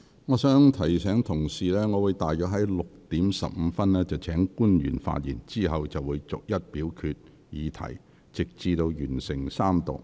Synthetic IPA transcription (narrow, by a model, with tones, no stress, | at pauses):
ŋɔː˨˧sœː˨˥ŋt̪ʰɐ˨˩jsɛː˨˥ŋt̪ʰʊ˨˩ŋsiː˨lɛː˥ŋɔː˨˧wuː˨˧jt̪aː˨jœː˨˥k̚ɦɐ˨˥jlʊ˨k̚t̪iː˨˥msɐ̰˨p̚m̩˨˧fɐ˥nlɛː˥t͡sɐ˨˩wt͡sʰɛː˨˥ŋkuː˥njy̰ː˨˩nfa̰ː˧t̚jḭː˨˩nt͡siː˥ɦɐ˨wt͡sɐ˨wːuː˨˧jt͡sʊ˨k̚jɐ˥t̚piː˨˥wkʰyː˧t̚ | jiː˨˧t̪ʰɐ̰˨˩j | t͡sɪ˨k̚t͡siː˨˧t̪o˧wjyː˨˩nsɪ˨˩ŋsaː˥mt̪ʊ̰˨˩